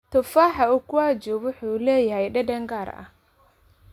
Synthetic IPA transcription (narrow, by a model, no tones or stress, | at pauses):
t̪ʊfaːħɐʊkʊaːd͡ʒɔːβʊħuːlɛːjɐɦɛjɗɐdɐŋɡaːɾɐ̰h